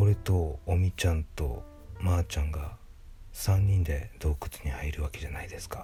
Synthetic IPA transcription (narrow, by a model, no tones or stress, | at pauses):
o̞ɾet̪o̞ːmʲit͡ɕãnt̪o̞̰ | maːt͡ɕãŋɡa | sãɲ̟ːĩnd̪e̞̰d̪̥o̞ːkɯ̟̥t͡sɨ̥ɲ̟ihaiɾɯ̟βake̞ʑanaid̪e̞sɨ̥ka